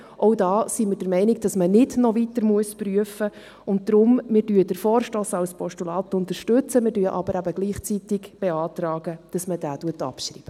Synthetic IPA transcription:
ʔɔwdɑːsimɪɾd̥əɾmɛɪnɪɡ̚d̥ɑsmənɪdnɔvitəɾmuəspryəfə | ʊnt̚d̥̪ɾʊmmɪːɾdyːd̥əɾfɔːrʃtoːsɑwspʰɔʃtulɑːt̪ʊnt̪əɾʃtʉt͡səmɪːɾdyːʔɑ̰bəɾʔæbəɡ̥liːχt͡sitɪɡb̥ɛɑːtrɑːɡ̥əd̥ɑsmədæːtuətɑ̰pʃɾḭːb̥ə

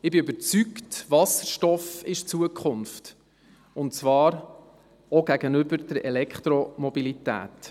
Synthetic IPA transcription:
ɪbɪøbəɾt͡syktvɑsəɾʃtɔfɪʃt͡suəkʰχʊnft | ʊntt͡svɑːɾ | oɡ̥æɡ̥ənʏbəɾd̥əɾʔɛlɛkχt̪ɾɔmɔbilitæ̰ːt

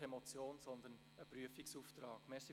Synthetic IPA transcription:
ɛmɔt͡sjoːnsɔnd̪ən | əpɾyəfiksuːft̪ɾɑːɡ̥mɛːsi

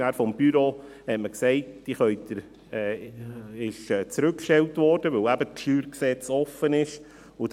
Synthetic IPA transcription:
æːɾfɔmb̥yɾoːhɛtməksɛɪt̚d̥iχœʏtəɾ | ɛː | ɪʃɛːt͡sɾʉkːʃtɛltvɔɾd̥əʋɵlæbəʃyːɾksɛt͡sɔfənɪʃ | ʊ

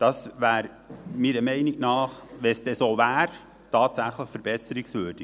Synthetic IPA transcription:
d̥ɑsvæːɾ | miːɾəmɛɪniknɑːχʋɛnsd̥ɛsoːʋæːɾ | tɑːtsæχləχfəɾb̥ɛsəɾiksʋøːɾd̥i

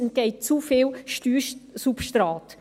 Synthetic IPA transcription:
nɡɛɪt̚t͡sufɪːlʃtyːʃsupʃtɾɑːt

